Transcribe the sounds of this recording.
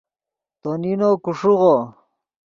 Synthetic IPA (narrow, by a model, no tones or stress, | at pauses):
t̪oninokuʂuʁo